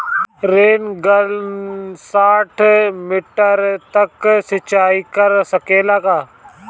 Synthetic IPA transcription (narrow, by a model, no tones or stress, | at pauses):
ɾeːnɡəl | saːʈʰmɪʈəɾt̪ɐksɪt͡ʃaːikɐɾsɐkeːlakaː